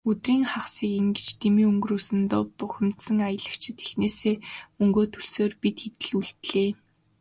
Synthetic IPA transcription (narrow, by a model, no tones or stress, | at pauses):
ɵt̪riːŋχaχsiːkiŋɡĕt͡ɕt̪ʰemiːɵŋɡruːsɘ̆nt̪ʊpːʊxʲɪ̆m̥t̪sə̆ŋajə̆ɮə̆kt͡ɕʰɪ̆t̪ʰe̥xneːseːɵŋɡoːt̪ʰɵɮsoːrpit̪xet̪ɘ̆ɮuɮt̪ɮeː